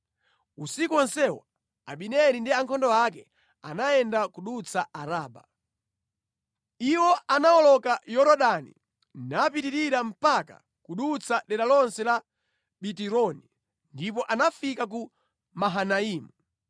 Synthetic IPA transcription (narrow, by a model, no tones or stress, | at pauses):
usikuɔnsɛwa | aɓinɛɾindiaŋkʰɔndɔakɛ | a̰naɛndakuɗut͡saaɾaːɓa | iwɔʔanaɔlɔkajɔɾɔɗanḭ | napitiɾiɾam̩paka̰ | kuɗut͡sʰaɗɛɾalɔnsɛla | ɓitiɾɔni | ndip̬ɔʔanafikak̬u | maɦanaiːmu